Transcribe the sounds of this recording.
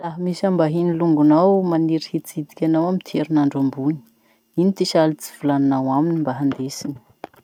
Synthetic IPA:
laɦəmisambaɦiniluŋɡunawmaniɾihit͡sid̪i̥kʲanawamint̪ʰeɾinaɳɖ͡ʐambuni̥ | init̪iʃalit͡si̥v̥ulananawaminimbaɦand̪esini̥

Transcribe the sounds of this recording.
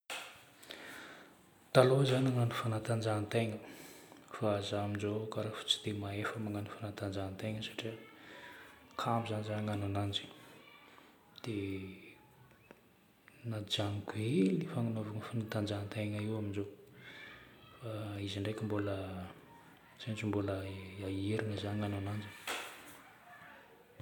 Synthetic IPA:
t̪alozanaŋanufanat̪and͡ʒant̪eŋə | faazaamind͡ʒokaɾafu̥t͡si̥d̪̥emaefamaŋanufanat̪and͡ʒant̪eŋəsḁʈ͡ʂiə | kʰambizanzanaŋananand͡ʒi̥ | d̪̥e | nad͡ʒaŋkuelifaŋunovaŋəfanat̪and͡ʒannt̪eŋəiwaminzo | faiziɳɖ͡ʐekʲimbolə | z̥anat͡ʃimboləaeɾiŋəzaniananand͡ʒi

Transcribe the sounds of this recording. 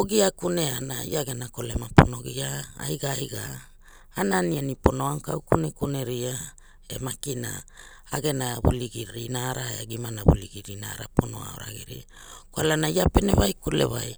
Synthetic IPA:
oɡiakuneanaḭaɡenakolemaponoɡiaajɡaːjɡaː | nanianipo̞noaŋkawkunekuneɾia | ḛmakina̰ | aɡe̞naβṵliɡiɾinaɾaeaɡimanaβuliɡiɾinaːɾaponoa̰oɾaɡiɾḭ | koalanaiapeneβajkulḛβaj

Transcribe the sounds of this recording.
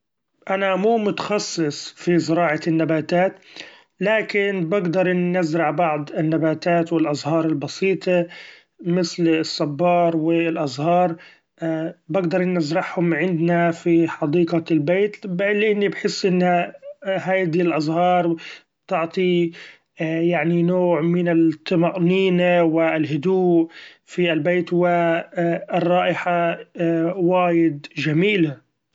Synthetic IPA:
ʔanamuːmʊt̪ḁxɑsˤːɨsˤfizɪɾɑːʕɑɪnːabaːt̪aːt̪ | laːkɪnbɪɡd̪ɑɾˤnɪzɾɑʕbɑʕd̪ˤɪnːabaːt̪aːt̪wɪlʔɑzˤhɑːɾˤɪlbɑsiːt̪ˤɑ | mɪθlsˤːɑbːɑːɾˤwɪlʔɑzˤhɑːɾˤ | bɪɡd̪ɑɾˤnɪzɾɑħhʊmʕɪnd̪nafiħɑd̪iːqalbeːt̪blɪʔɪnːibħɪsːʔɪnːaɦaːd̪ilʔɑzˤhɑːɾˤbt̪ɪʕt̪ˤi | jaʕninoːʕmɪnɪt̪ʰˤːɑmɑʔniːnawɪɪlɦʊd̪uːʔ | fiɪlbeːt̪wɪ | ɪrˤːɑːʔɪħa | waːjɪd̪d͡ʒamiːla

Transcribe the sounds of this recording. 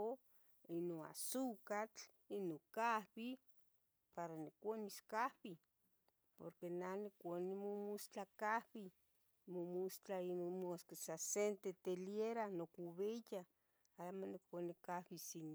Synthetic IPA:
o | inoa̰sukat͡ɬ | inokahβi | paɾanikʷaniskahβi | po̰ɾkenanikʷonimomust͡ɬakahβi | momust͡ɬainomoskesasent̪et̪eljeɾanokuβeja | amonikʷanikahβisin

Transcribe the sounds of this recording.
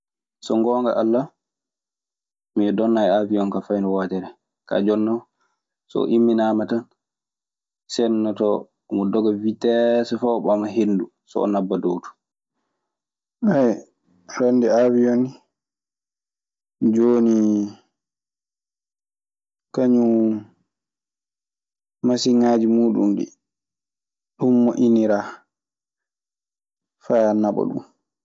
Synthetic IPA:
sɔŋɡɔŋɡa̰ʔalːa | miɛdɔnːajɛaviɔnkafajnɔwaːtɛɾɛ | ka̰d͡ʒɔnːɔ | sɔ̰ʔimːinaːmatan | sɛnːatɔ | mɔdɔɡavitɛsɛfɔɓamaɦendu | sɔ̰ɔ̰nabːadowtu̥ | aj | ɾandɛavijoni | d͡ʒoːni | kaɲu | masiŋaːd͡ʒimuːɗṵmɗḭ | ɗumːɔʔiniɾa | fajanaɓɔ̰ɗṵm

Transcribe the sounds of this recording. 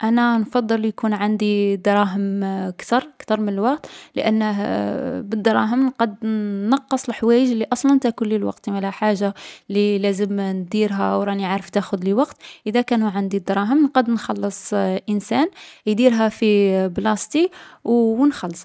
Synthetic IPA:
ʔænænfɑd̪ˤːəljkunʕand̪id̪ɾˤɑɦəmkt̪ɑɾˤkt̪ɑɾˤmənəlwɑq̚t̪lə̰ʔə̰nːə | bəd̪ɾˤɑɦəmnqɑd̪ːɑqːəsˤəlħwæjəʒlːiʔɑsˤlɑnt̪ækʊlːilwɑ̰qt̪imælæħaʒːalilæzəmnd̪iɾɦæwɾˤɑniʕɾəft̪æxʊd̪ləwɑqt̪ʔəd̪ækænuʕand̪id̪ɾˤɑɦəmnqɑd̪nxɑlːəsˤʔənsænjd̪iɾɦæfiblɑst̪iwnxɑlːsˤ

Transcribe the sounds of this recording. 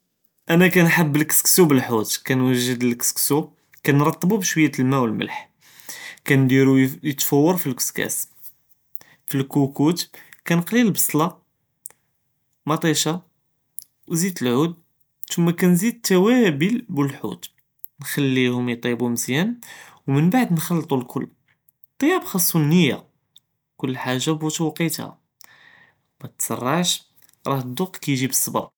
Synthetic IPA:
ʔænækænħabːəlkə̥sksubəlħut̪kænwəʒːəd̪əlkə̥sksu | kænɾˤɑt̪ˤːəbubʃwəjːæt̪lmæwəlmə̰lħ | kænd̪iɾujət̪fəwːɑɾˤfilkʊ̥skæ̰s | filkukut̪kænqlillbɑsˤlɑ | mɑt̪ˤiʃɑ | wzid̪əlʕud̪̚ | t̪ʊmːækænzid̪̚t̪ːæwæbəlbəlħṵt̪ | nxælːihʊmjt̪ˤibuməzjæn | wmənbaʕd̪nxɑlːt̪ˤulkʰʊlː | t̪ˤːɑjɑbxɑsˤːunːəjːa̰ | kʊlːħaʒːabut̪wqːit̪hæ̰ | mæt̪sˤɑ̰rˤːɑʕʃ | ɾˤɑhd̪ʊqkæjʒibəsˤːɑbɑ̰ɾˤ

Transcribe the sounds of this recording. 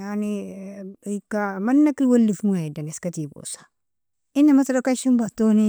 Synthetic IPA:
jani | ikamanːakilwolːifmuaidaneskatibo̰sḁ | inːamataɾokaʃimbatoni

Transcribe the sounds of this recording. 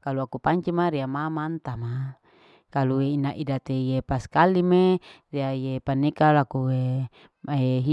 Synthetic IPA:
kaluakupaɲt͡ʃimaɾiamamant̪ama | kalueinaʔidat̪ejepaskalimeriajepanːekalakue | eɦi

